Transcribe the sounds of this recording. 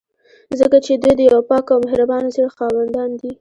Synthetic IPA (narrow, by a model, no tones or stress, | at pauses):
zəkat͡ʃed̪ujd̪əjawpɑkawmɪhɾabɑnzəɽxɑwand̪ɑnd̪i